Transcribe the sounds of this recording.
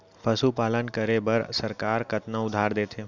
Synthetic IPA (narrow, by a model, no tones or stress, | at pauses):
pʰəsupaːlənkəɾebəɾsəɾkaːɾkɐt̪nəʊd̪ʱaːɾd̪eːt̪ʰeː